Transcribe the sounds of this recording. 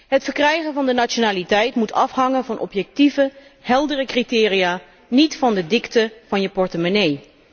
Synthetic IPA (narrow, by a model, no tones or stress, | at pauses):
ɦətfəɹkrɛjχənvɑndənat͡ʃonaːlitɛjtmutɑfɦɑŋənvɑnʔɔ̰pjɛk̚tivəhɛlˠdərəkritɪːrijaː | nitfɑndədɪktəv̥ɑnjəpɔɹtəmonej